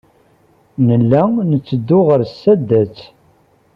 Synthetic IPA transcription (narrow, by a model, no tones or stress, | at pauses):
nəlːænət͡sːəd̪ːʊʁəɾsːæd̪ːæt͡sː